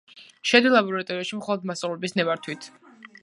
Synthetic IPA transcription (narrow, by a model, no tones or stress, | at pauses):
ʃɛd̪ilˠabɔɾat̪ʼɔɾiaʃimχɔlˠɔd̪̚masʼavlɛbisnɛvaɾt̪ʰwit̪ʰ